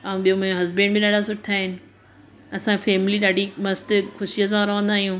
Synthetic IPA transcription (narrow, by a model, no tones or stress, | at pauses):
aːũɓijõmɐ̃õɦɐzbẽːnɖbɪɗaːɖasʊʈʰaːɦɪnɪ̆ | ɐsãfeːmliɗaːɖimɐst̪xʊʃijəs̬ãɐɾoʋə̃nd̪aːɦijũː